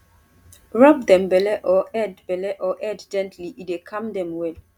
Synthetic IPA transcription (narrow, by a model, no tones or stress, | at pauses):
ɹɔb̚dɛ̃mbɛlɛʔɔɛdbɛlɛʔɔʔɛdd͡ʒɛ̃ntʰliʔidekʰãmdɛ̃mwɛl